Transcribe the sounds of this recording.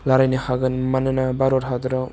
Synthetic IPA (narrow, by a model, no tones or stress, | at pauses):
laɾajnixaɡɯnmanɯnabaɾoɾɦad̪ɾɔ